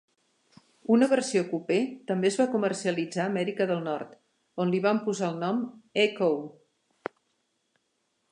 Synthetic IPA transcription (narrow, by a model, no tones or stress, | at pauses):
unəβərsiokupet̪əmbezβakumərsiəlid͡zaːmɛɾikəðəlˠnɔrt̪ | onliβampuzaəlˠnɔmekow